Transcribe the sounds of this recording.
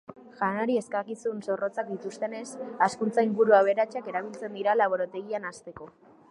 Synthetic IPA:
ʝanaɾie̞skakisunso̞ro̞t͡sak̚d̪it̪ust̪e̞ne̞saskunt͡saiŋɡuɾuaβ̞e̞ɾat͡ʃake̞ɾaβ̞ilt͡se̞nd̪iɾalaβ̞oɾot̪e̞ɣianast̪e̞ko̞

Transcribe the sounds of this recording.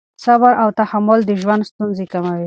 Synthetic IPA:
sabaɾʔawt̪ahamːʊld̪əʒwand̪st̪unzekamawi

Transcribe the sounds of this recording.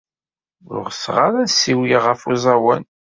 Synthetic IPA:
ʁθʁaɾæsiwiʁəfuzˤɑwæ̰n

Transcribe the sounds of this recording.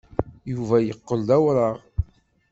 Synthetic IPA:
juvæjəqːəld̪æwɾˤəʁ

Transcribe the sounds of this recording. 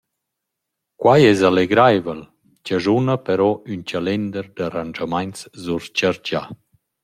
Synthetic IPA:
kwajɛzaleɡɾajvəl | cəzunəpɛɾɔynt͡ɕalɛnd̪əɾd̪aɾand͡ʒamaɲnt͡szuɾt͡ʃaɾɟa̰

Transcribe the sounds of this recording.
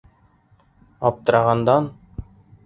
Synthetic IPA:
ɒp̚t̪ɤ̆ɾɑʁɑnd̪ɑn

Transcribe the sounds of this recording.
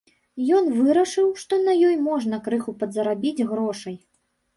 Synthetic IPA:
jɔn̪vɨɾɐʂɨwʂt̪ɔnɐjɔjmɔʐnɐkɾɨxupɐd̪zɐɾabʲid͡zʲɣɾɔʂɐj

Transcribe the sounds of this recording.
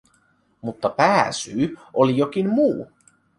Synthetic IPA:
mut̪ːɑpæːsyːʔolijo̞k̟inmuː

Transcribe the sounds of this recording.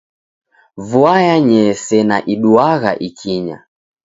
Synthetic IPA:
vuajaɲɛsɛna̰ʔiɗuaɣa̰ʔikʰiɲa̰

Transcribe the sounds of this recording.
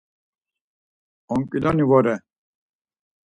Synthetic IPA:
ɔŋkʼilɔnivɔɾɛ

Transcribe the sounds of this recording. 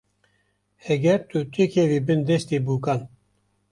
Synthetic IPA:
hɛɡɛɾt̪ut̪ʰikʰɛviːbɨnd̪ɛst̪eːbuːkan

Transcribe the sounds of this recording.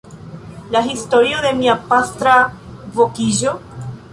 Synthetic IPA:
laɦistoɾiode̞miapast̪ɾavokiʒo̞

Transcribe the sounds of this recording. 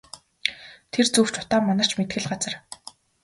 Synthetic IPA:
t̪ʰert͡suw̥t͡ɕʊt̪aːmːanə̆r̥t͡ɕʰmet̪xɘ̆ɮɢat͡sə̆r

